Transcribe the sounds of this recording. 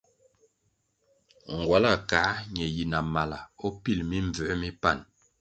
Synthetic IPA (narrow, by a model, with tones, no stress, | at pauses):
ŋ˨ɡwa˨la˦˨ka˨˦ɲɛ˨ji˨na˨ma˨la˨ɔ˦pi˦lmi˦ɱ˨b͡və˨˦mi˦pa˦˨n